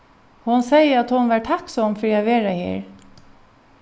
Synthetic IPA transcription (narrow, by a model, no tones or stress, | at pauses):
hʊnsɛjəat̪hʊnʋæːʈʰaksɔmfɾiːaʋeːɾahḭːɹ